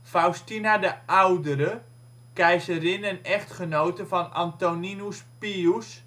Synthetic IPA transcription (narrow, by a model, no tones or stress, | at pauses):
fawstinadəʔawdəɾə | kɛjzərɪnənɛχtχənowtəfɔna̰ntoninuspius